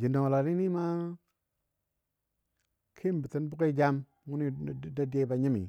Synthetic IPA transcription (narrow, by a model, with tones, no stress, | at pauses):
d͡ʒi˨ndo˨ŋ˨la˨ni˦ni˦ma˦ | kʰi˦m˨bə˨ti˦nbu˦ke˦d͡ʒa˦m | ŋu˦ni˦˨˦da˦de˦ba˨ɲi˦mḭ˨